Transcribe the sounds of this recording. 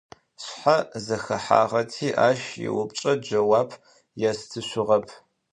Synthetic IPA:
ɕħazɐxɐħa̰ːʁɐtʰiːʔaːʃjɪ̰wʊp̚t͡ʃʼɐd͡ʒɐwaːpʰ | jastʰɨɕʷʊʁɐpʰ

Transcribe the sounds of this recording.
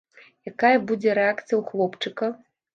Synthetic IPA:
jakajɐbud͡zʲɛɾɛakt̪sɨjɐwxlˠɔpt͡ʂɨkɐ

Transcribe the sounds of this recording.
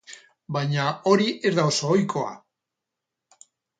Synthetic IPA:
bajɲao̞ɾiʔe̞zðaosoːjkʰo̞a̰

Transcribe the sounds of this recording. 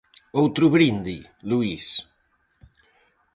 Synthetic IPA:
owt̪ɾuβɾind̪i | luis

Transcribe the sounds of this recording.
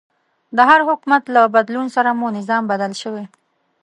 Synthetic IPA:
d̪əɦaɾhʊkumat̪labad̪lunsaɾamonɪzɑmbad̪alʃəwe

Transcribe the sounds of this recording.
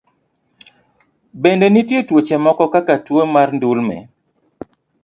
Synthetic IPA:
bendenitjetwot͡ʃɛmɔkɔkakatwomarndulmɛ̰

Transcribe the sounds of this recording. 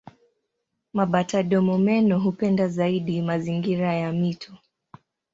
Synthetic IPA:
maɓataɗɔmɔmɛnɔɦupɛndazaiɗimaziŋɡiɾajamitʰɔ

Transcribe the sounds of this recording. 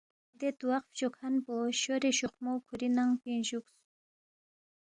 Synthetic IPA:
d̪et̪uwaqft͡ʃokʰanpoʃoɾeʃuχmowkʰuɾinaŋpinʃuks

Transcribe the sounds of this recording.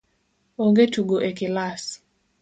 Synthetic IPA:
oŋɡetuɡoʔekɪlas

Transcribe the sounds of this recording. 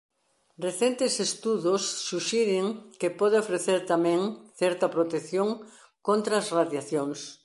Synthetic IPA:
reθent̪ɪsest̪uðosːuʃiɾɪŋkepɔðeofɾeθeɾt̪amɛ̃ŋθɛɾt̪ɐpɾot̪ekθjoŋ | kont̪ɾɐːsraðjaθjoŋs

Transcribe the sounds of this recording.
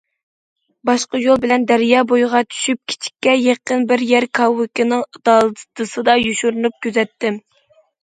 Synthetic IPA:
bɑʃqɑjolˠbɪlɛnd̪æɾjɑːbojʁɑt̪ʰy̥ʃyp̚kʲʰi̥t͡ʃʰi̥kʲːɛjeqənbɪɾjɛɾkʰɑwːɪkʲɪnɨŋɨd̪ɑːlˠt̪ʰɨsɨd̪ɑjuʃuɾɨnup̚kʲøzɛt̪ːɪm

